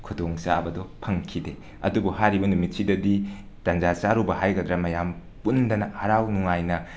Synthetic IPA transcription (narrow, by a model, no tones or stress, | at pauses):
kʰudoŋsabɐdɔpʰɐŋkʰide | ɐ̰dubɔhaɾibɐnumit̚sidɐdi | tanzat͡ʃaɾubɐɦajɡɐdɾɐmɐjam | pundɐnɐhɐɾawnuŋajnɐ